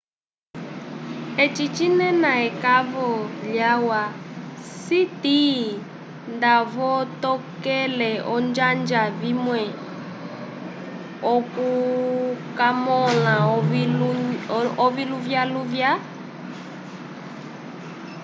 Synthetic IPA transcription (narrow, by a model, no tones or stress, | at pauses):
ɛt͡ʃit͡ʃinɛnaɛkavɔljawasiti | ndavɔtɔkɛlɛɔnd͡ʒand͡ʒavimwɛ | ɔku | kamɔla | ɔviluvjaluvja